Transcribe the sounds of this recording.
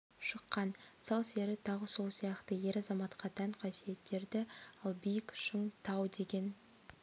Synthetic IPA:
ʃəqːɑnsɑlˠse̞ɾɪt̪ʰɑʁəso̞lˠsijɑqt̪əje̞ɾɑzɑmɑt̪qɑd̪ɑɴqʰɑsije̞t̪ːe̞ɾd̪ɪɑlˠbijɪkʃɪŋt̪ʰɑwd̪e̞ɡʲe̞n

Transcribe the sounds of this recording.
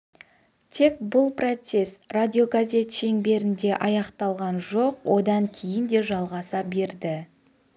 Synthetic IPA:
t̪ʰe̞k̚bʊlˠprot̪se̞sradʲio̞ɡazʲe̞t̪ʃe̞ŋbe̞ɾɪnd̪e̞ʔɑjɑqt̪ɑlˠʁɑnʒo̞qwo̞d̪ɑŋkʲʰe̞jɪnd̪e̞ʒɑlˠʁɑsɑbe̞ɾd̪ɪ

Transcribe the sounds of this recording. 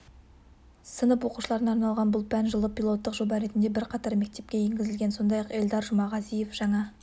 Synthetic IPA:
sənəpwo̞qu̥ʃəlˠɑɾənɑɾnɑlˠʁɑnbʊlˠpʰænʒəlˠəpʲilˠo̞t̪ːəqʒo̞bɑɾe̞t̪ɪnd̪ebɪɾqʰɑt̪ɑɾme̞k̚t̪e̞p̚kʲe̞je̞ŋɡʲɪzɪlɡʲe̞nso̞nd̪ɑjɑqe̞ld̪ɑɾʒʊmɑʁɑzije̞fʒ̥ɑɴɑ

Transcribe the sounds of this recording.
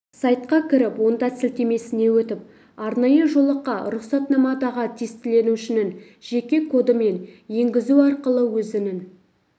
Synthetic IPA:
sɑjt̪qɑkʲʰɪɾɪpwo̞nd̪ɑsɪlt̪e̞me̞sɪne̞wɵt̪ɪp̚ | ɑɾnɑjəʒo̞lˠəqːɑɾʊqsɑt̪nɑmɑd̪ɑʁət̪ʰest̪ɪle̞nuʃɪnɪŋ | ʒ̥e̞kʲe̞kʰo̞d̪əme̞nje̞ŋɡʲɪzuɑɾqəlˠəwɵzɪnɪn

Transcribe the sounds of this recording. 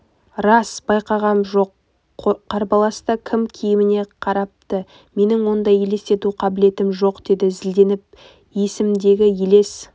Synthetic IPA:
ɾɑsbɑjqɑʁɑnʒo̞q | qʰɑɾbɑlˠɑst̪ɑkʲʰɪmkʲʰijɪmɪne̞qʰɑɾɑp̚t̪ə | me̞nɪŋwo̞nd̪ɑjele̞st̪e̞t̪uqʰɑbɪle̞t̪ɪmʒo̞qd̪e̞d̪ɪzɪld̪e̞nɪp̚ | je̞sɪmd̪e̞ɡʲɪjele̞s

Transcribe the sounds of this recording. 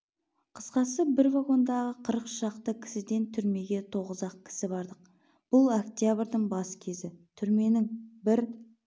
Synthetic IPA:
qʰə̥sqɑsəbɪɾvaɡo̞nd̪ɑʁəqʰəɾəqʃɑqt̪əkʲʰɪ̥sɪd̪e̞nt̪ʰʏɾme̞ɡʲe̞t̪ʰo̞ʁəzɑq̚kʲʰɪ̥sɪbɑɾd̪əq̚ | b̥ʊlˠokt̪jabəɾd̪əŋbɑsə̥kʲʰe̞zɪt̪ʰʏɾme̞nɪŋbɪɾ

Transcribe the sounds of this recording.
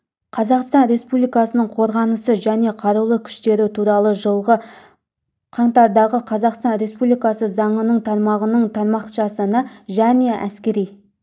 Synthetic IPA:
qʰɑzɑqst̪ɑnɾe̞spublijkɑsənəɴqʰo̞ɾʁɑnəsəʒæne̞qʰɑɾulˠəkʲʰʏ̥ʃt̪e̞ɾɪt̪ʰuɾɑlˠəʒəlˠʁə | qʰɑɴt̪ɑɾd̪ɑʁəqʰɑzɑqst̪ɑnɾe̞spublijkɑsəzɑɴənəɴt̪ʰɑɾmɑʁənəɴt̪ʰɑɾmɑqʃɑsənɑʒæne̞ʔæ̰skʲe̞ɾij

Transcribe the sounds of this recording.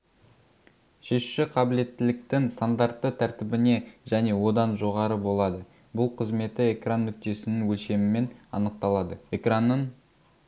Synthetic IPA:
ʃe̞ʃu̥ʃɪqʰɑbɪle̞t̪ːɪlɪk̚t̪ɪŋst̪and̪art̪ːət̪ʰæɾt̪ɪbɪne̞ʒæne̞wo̞d̪ɑnʒo̞ʁɑɾəbo̞lˠɑd̪ə | bʊlˠqʰəzme̞t̪ɪe̞kranːʏk̚t̪e̞sɪnɪŋwɵlʃe̞mɪme̞nɑ̰nəq̚t̪ɑlˠɑd̪əe̞kranːəɴ

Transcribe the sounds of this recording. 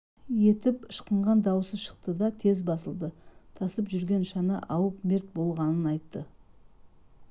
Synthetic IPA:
je̞t̪ɪpəʃqəɴʁɑnd̪ɑwəsəzʃə̥q̚t̪əd̪ɑt̪ʰe̞zbɑsəlˠd̪ət̪ʰɑsəpʒʏɾɡʲe̞nʃɑnə̰ʔɑwəpme̞ɾt̪̚bo̞lˠʁɑnənɑjt̪ːə

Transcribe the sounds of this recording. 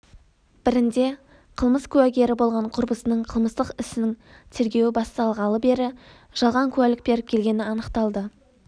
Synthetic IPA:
b̥ɪɾɪnd̪e̞ | qʰəlˠməskʲʰʉæɡʲe̞ɾɪbo̞lˠʁɑɴqʰʊɾbəsənəɴqʰəlˠməst̪əqɪsɪnɪŋ | t̪ʰe̞ɾɡʲe̞wɪbɑst̪ɑɑlˠʁɑlˠəbe̞ɾɪ | ʒ̥ɑlˠʁɑŋkʲʰʉælɪk̚be̞ɾɪp̚kʲʰe̞lɡʲe̞nɪɑnəqt̪ɑlˠd̪ə

